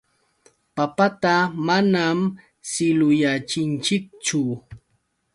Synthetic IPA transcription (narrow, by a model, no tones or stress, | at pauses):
papat̪amanam | sɪlʊjat͡ʃɪnt͡ʃɪk̚t͡ʃʊ